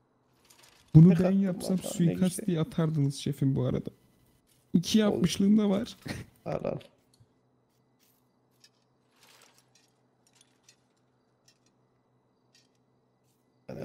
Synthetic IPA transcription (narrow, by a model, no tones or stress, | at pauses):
b̥unubænjapsamsujkʰast̪ijɛat̪ʰaɾd̪ɯnɯz̥ʃe̞finbuaɾa̰d̪a | icʰijapmɯʃlˠɯːnd̪avaɾ̥̰